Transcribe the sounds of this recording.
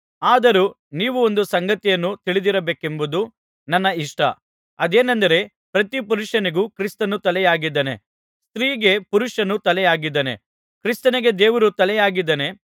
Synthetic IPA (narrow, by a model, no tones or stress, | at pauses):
aːd̪ɐɾu | niːʋuond̪usɐŋɡɐt̪ijɐnːut̪iɭid̪iɾɐbeːke̞mbud̪u | nɐnːɐiʂʈɐ̰ | ɐd̪eːnɐnd̪ɐɾe̞ | pɾɐt̪ipuɾuʂɐniɡukɾist̪ɐnut̪ɐlɛjaːɡid̪ːɐnḛ | st̪ɾiːɡe̞puɾuʂɐnut̪ɐlɛjaːɡid̪ːɐnḛ | kɾist̪ɐniɡe̞d̪eːʋɐɾut̪ɐlɛjaːɡid̪ːɐne̞